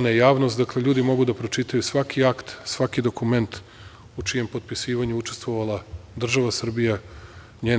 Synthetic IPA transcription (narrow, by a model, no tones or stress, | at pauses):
najejaːʋnost̪d̪akle̞ʎuːd̪imo̞ɡud̪apɾo̞t͡ʃit̪ajusʋakʰiakt̪sʋakid̪o̞kume̞nt̪ | ut͡ʃije̞mpo̞t̪̚pisiːʋaɲuut͡ʃe̞st̪ʋoʋalˠad̪r̩ʒaʋasr̩bija | ɲeː